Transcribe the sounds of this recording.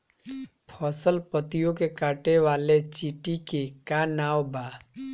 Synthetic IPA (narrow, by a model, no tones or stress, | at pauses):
pʰɔːsəlpət̪ijõkekaːʈeʋaːlet͡ʃiʈikekanaːwbaː